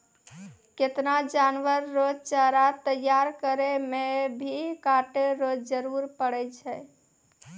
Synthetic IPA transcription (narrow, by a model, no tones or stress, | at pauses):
ket̪nad͡ʒanʋəɾːod͡ʒt͡ʃaɾat̪əjːaɾkəɾemebʱikaʈeɾod͡ʒd͡ʒəɾuɾpəɽɛt͡ʃʰɛ